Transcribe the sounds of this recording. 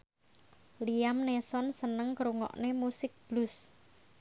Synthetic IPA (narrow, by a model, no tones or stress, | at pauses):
lijamnesɔnsənəŋkɾuŋɔ̰ʔnemusɪk̚b̥lʊs